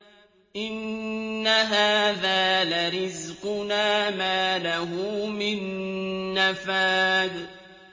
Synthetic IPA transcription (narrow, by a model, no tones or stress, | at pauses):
ʔɪnːaɦaːðaːlaɾɪzqʊnaːmaːlaɦʊmɪnː | afaːd̪